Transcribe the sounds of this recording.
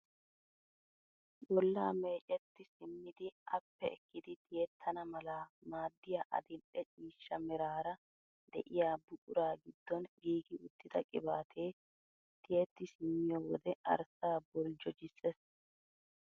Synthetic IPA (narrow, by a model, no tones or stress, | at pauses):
ɗɔlːa̰ːme̞ːt͡ʃʼɛt̪ːɪsɪmːɪd̪ɪʔɐ̰pːɛɛkːɪd̪ɪt̪ɪjɛt̪ʰːɐnɐmɐlamaːd̪ːɪjaːʔɐ̰d̪ɪlʔɛt͡ʃʼiːʃːɐmɛɾaːɾɐ | d̪ɛ̰ʔɪjaːbʊkʼʊɾaːɡɪd̪ːɔnɡiːɡɪʊt̪ːɪd̪ɐkʼɪbaːt̪ʰeː | t̪ʰʼɪjɛt̪ːɪsɪmːɪjɔwɔd̪ɛʔɐ̰ɾsaːbɔld͡ʒɔd͡ʒɪsːɛs